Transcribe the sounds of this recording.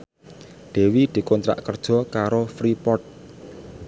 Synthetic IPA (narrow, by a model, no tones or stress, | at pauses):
ɖ̥e̤wid̪̥i̤kont̪ɾa̰ʔkərd̥ʒ̥ɔ̤kaɾofɾipɔrt̪̚